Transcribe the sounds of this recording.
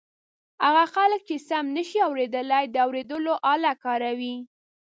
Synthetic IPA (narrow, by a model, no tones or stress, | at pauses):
haɣaxalək̚t͡ʃesamnəʃiawɾed̪əlajd̪əawɾed̪əloʔɑlakɑɾawi